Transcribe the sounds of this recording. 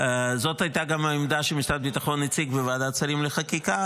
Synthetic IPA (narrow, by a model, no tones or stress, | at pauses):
zo̞t̪hajt̪aɡamhaimd̪aʃemiʃt̪ad̚bit̪aχo̞nːit͡sikvevaːd̪at͡salimleχakika